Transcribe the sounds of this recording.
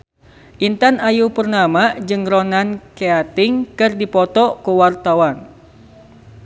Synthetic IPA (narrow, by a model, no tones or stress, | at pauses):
ʔint̪anajupərnamad͡ʒɨŋɾɔnankeat̪ɪŋkɨrdipɔt̪ɔkuwart̪awan